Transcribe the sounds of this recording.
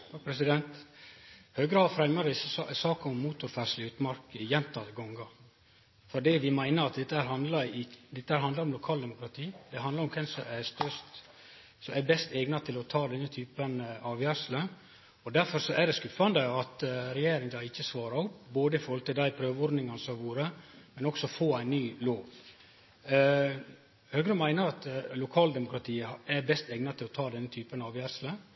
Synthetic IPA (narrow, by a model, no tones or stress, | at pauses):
t̪ʰɑːkpʰɾɛs̬ɪd̪ɛnt̪ | høːɡɾɑːd̪fɾɛmːəɾd̪ɪsːəsɑːkɑʊmːuːt̪ʊɾfæʂlɪʉːt̪mɑɾkɪjɛnt̪ɑt̪ɡɔŋɡɑ | fɔɖiːʋɪmæɪnəɾɑt̪̚d̪ɛt̪ːəhæːɾɦɑnd̪lɑɪd̪ɛt̪əhæːɾhɑnd̪ɑɾɔmlʊkʰɑːld̪ɛmʊkɾɑt̪ʰiːd̪ɛɦɑnd̪ɑɾʊmkʰɛnsɔæst̪œst̪ | sɔmæbɛst̪eːɡnɑt̪ʰɪlɔt̪ʰɑːd̪ɛnːət̪ʰyːpənɑːʋjæɾʂlə | ɔd̪æɾfɔɾsɔʔæd̪ɛskʉfɑnd̪əɑt̪ɾɛjeːɾɪŋd̪ɑːɪçːəsʋɑːɾɑʊpːboːd̪əɪfoːhɔlt̪ɪld̪æɪpʰɾøːʋɔɾd̪nɪŋɑnsɔʋuːɾəmɛnɔksɔfoːæɪnːyːloːʋ | høːɡɾəmæɪnəɾɑt̪lʊkʰɑːld̪ɛmʊkɾɑt̪ʰiːɛɾbɛst̪eːɡnɑt̪ʰɪlɔt̪ʰɑːd̪ɛnːət̪ʰyːpənɑːʋjæɾʂlə